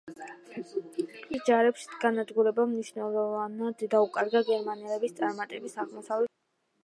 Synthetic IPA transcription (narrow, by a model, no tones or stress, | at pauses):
isd͡ʒaɾɛpʃɡanad̪ɡuɾɛbamniʃnɛlˠɔvanad̪d̪aukʼaɾɡaɡɛɾmanɛlɛbist̪sʼaɾmat̪ʼɛbisaʁmɔsavlɛ